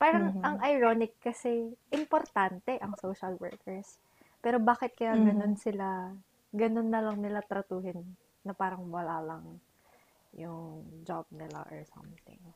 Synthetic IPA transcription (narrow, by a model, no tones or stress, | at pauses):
paːɾɐŋɐŋʔɐjɹonɪkːɐsɛʔɪmpoɾt̪ant̪ɛʔɐŋsoːʃɐlwɛ̰ɹkʰɛɹs | pɛːɾo̞baːkɪt̪̚kɐjaɡɐno̞nsɪla | ɡɐno̞nːɐlɐŋnɪlat̪ɾɐt̪uːhɪnː | ɐpaːɾɐŋwɐlaːlɐŋ | jʊŋd͡ʒab̚nɪla̰ʔɔ̰ɹsɐ̰mt̪ɪ̰ŋ